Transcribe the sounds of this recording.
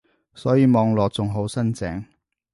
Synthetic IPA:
sɔː˨˥jiː˨˧mɔː˧ŋlɔː˨k̚t͡sʊ˨ŋɦo˨˥wsɐ˥nt͡sɛ̰ː˨˥ŋ

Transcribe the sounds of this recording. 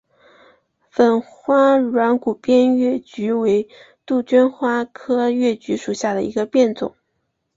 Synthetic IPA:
fə˨˩nxwa˥ɻwa˧˥nku˨˩pjɛ˥nɥɛ˥˩t͡ɕy˧˥we˧˥ɪ | t̪u˥˩t͡ɕɛ˥nxwa˥kʰɤ˥ɥɛ˥˩t͡ɕy˧˥ʂu˨˩ɕja˥˩d̪ə˩i˧˥ɡə˧pjɛ˥˩nt͡sʊ̰˨˩˦ŋ

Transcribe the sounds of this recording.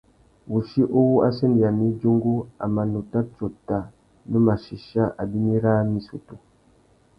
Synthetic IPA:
wu˨ʃi˦ʔo˦wu˦a̰˦se˦ndi˨a˨mi˦d͡ʒu˦ŋɡu˦a̰˨ma˨no˨ta˦t͡ʃo˨ta˨ | nə˦ma˨ʃi˨ʃa˦ʔa˨bi˦mi˦ɾaː˦mi˦su˨to˨

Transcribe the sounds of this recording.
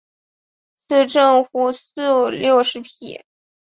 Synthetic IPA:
sɹ̩˥˧ʈ͡ʂə˥˧ŋxu˥sɹ̩˥˧ljo˥˩ʊʂɻ̩˧˥pʰḭ˨˩˦

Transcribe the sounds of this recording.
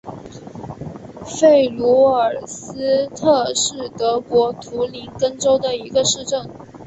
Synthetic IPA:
fe˥˩ɪlu˧˥ə˞˨˩sɹ̩˥t̪ʰɤ˥˧ʂɻ̩˥˩t̪ɤ˧˥kwɔ˧˥t̪ʰu˧˥li˧˥nkə˥nʈ͡ʂo˥ʊd̪ə˨i˧˥ɡə˧ʂɻ̩˥˧ʈ͡ʂə˥˩ŋ

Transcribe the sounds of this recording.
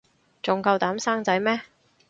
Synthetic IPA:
t͡sʊ˨ŋkɐ˧wt̪aː˨˥msaː˥ŋt͡sɐ˨˥jmɛː˥

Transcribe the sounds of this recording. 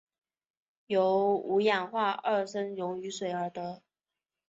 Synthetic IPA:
jo˧˥ʊu˧˥ja˨˩nxwa˥˧ə˥˩ʂə˥njʊ˧˥ŋy˧˥swe˨˧˩ɪə˞˧˥t̪ə˧˦

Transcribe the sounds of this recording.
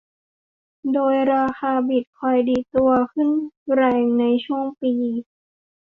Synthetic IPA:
doː˧jɾaː˧xʰaː˧bi˨˩t̪̚kʰɔ˧˩jdiː˨˩t̪u˧ɐkʰɯ˥˩˨nɾɛː˧˩ŋna˧jt͡ɕʰu˥˩əŋpiː˧

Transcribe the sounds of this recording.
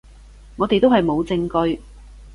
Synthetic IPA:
ŋɔː˨˧t̪e˨jt̪o˥whɐ˨jmo˨˧wt͡sɪ˧ŋkɵ˧ɥ

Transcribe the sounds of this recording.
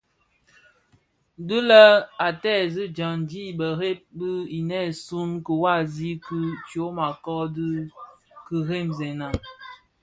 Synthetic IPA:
dɨ˦lə˦a˨tɛː˦˨zi˦d͡ʒa˨ŋndi˦bə˨ɾe˦p̚bɨ˦i˨nɛ˦˨su˦nkə˨wa˦˨zi˦kt͡ʃo˨˦ma˨kɔ˦d | kə˨ɾe˦˨mzɛ˨na˨

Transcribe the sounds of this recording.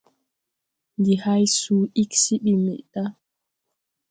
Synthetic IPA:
ndi˨ha˦jsuː˦i˦ksi˦ɓi˨mḭ˨ʔta˦

